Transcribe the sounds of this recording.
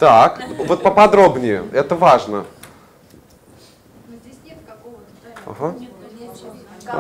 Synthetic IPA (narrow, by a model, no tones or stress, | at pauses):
t̪akvot̪̚pəpɐd̪ɾo̞bnʲɪjʊ̰ɛt̪əvaʐnə | t̪ | ɐ̰ɦa